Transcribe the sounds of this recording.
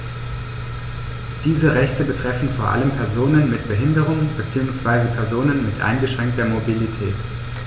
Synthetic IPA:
d̥iːzəʁɛçtəbətʁ̥ɛfn̩foːɐʔa̰ləmpʰɛɐzoːnənmɪtb̥əɦɪndəʁ̞ʊŋb̥ət͡siːʊŋsv̥aɪzəpʰɛɐzoːnənmɪtʔa̰ɪnɡəʃʁ̥ɛŋk̚td̥eːɐmobilitʰɛːt

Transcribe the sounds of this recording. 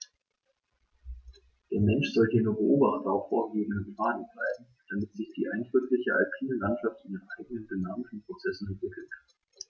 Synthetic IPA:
d̥eːɐmɛnʃz̥ɔldeːnubəʔoːbaχtʊffo̰ːɐɡeːbn̩dənpl̥aːnɛntʁaɪbm̩ | d̥amɪtz̥ɪçd̥iːʔaɪndʁʏklɪçəʔa̰ɪpʰiːnəlantʃaftɪndeːnʔaɪɡənəndynaːmɪʃn̩pʁ̥ot͡sɛsn̩ɛntv̥ɪkl̩t

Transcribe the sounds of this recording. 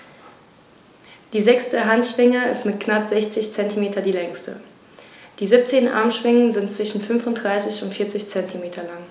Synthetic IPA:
d̥iːzɛksdəɦantʃv̥ɪŋəɪstmɪtknapz̥ɛçt͡sɪçt͡sɛntimeːtʰɐdiːlɛŋstʰə̰ | d̥iːzɪp̚t͡seːnʔa̰ɐmʃv̥ɪŋənzɪntt͡sv̥ɪʃn̩fʏnfʊntd̥ʁaɪsɪçʊntfɪɐt͡sɪçt͡sɛntʰimeːtʰɐlaŋ

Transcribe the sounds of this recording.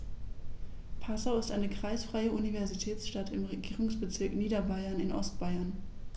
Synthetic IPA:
pʰasaʊɪstʔaɪnəkʁ̥aɪsfʁ̥aɪəʔunivɛɐzitʰɛːt͡sʃtatʰɪmʁeɡiːʁʊŋsb̥ət͡sɪɐkniːdɐbaɪɐnɪnʔɔ̰stb̥aɪɐn

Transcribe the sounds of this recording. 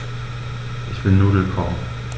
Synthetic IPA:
ʔɪçb̥ɪnːuːɐvɪlkʰɔmən

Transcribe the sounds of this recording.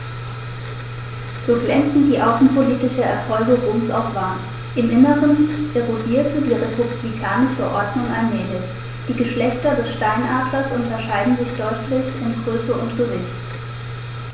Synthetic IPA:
z̥oːɡlɛnt͡sn̩diːʔaʊsn̩pʰoliːtɪʃɐɛɐfɔlɡəʁoːmsʔa̰ʊfv̥aːɐ | ʔɪmʔɪnəʁənʔeʁodiːɐtʰədiːʁepublikʰaːnɪʃəʔɔɐdnʊŋʔalmɛːlɪç | d̥iːɡəʃlɛçtɐdɛsʃtaɪnʔaːdlɐsʔʊntɐʃaɪdn̩zɪçd̥ɔʏtʰlɪçɪmɡʁøːsəʔʊntɡ̥əvɪçt

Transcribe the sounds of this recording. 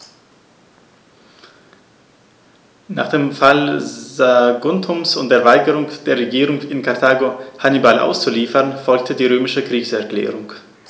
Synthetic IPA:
na̰ːχd̥eːmfalzaɡʊntʰʊmsʊ̰nt̚d̥eːɐvaɪɡəʁʊŋd̥eːɐʁeɡiːʁʊŋɪnkʰaɐtʰaːɡohanibalʔa̰ʊst͡suliːfɐʁnfɔlk̚tʰədiːʁøːmɪʃəkʁ̥iːçsɛɐklɛ̰ːʁʊŋ

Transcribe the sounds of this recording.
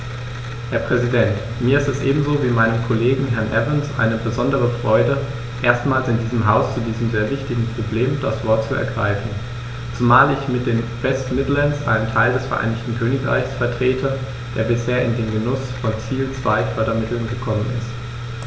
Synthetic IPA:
hɛɐpʁ̥ɛzidɛnt | miːɐɪstɛsʔeːbm̩zoːviːmaɪnənkʰoleːɡŋ̩ɦɛɐnʔɛvɪnsʔa̰ɪnəbəzɔndəʁəfʁ̥ɔʏdə | ʔeːɐstmaːlsɪndiːzəmɦaʊst͡sudiːzəm̩zeːɐvɪçtɪɡŋ̩pʁ̥obleːmd̥asv̥ɔɐt̚t͡suɛ̰ɐɡʁa̰ɪfn̩ | t͡sumaːlɪçmɪt̚d̥eːnvɛstmɪdl̩ənsʔa̰ɪnəntʰaɪldɛsfɛɐʔa̰ɪnɪçtn̩kʰøːnɪkʁa̰ɪçsfɛɐtʁ̥eːtʰə | d̥eːɐbɪsheːɐʔɪndeːmɡənʊsfɔnt͡siːlt͡sv̥a̰ɪfœɐɾɐmɪtl̩nɡəkʰɔmənɪ̰st

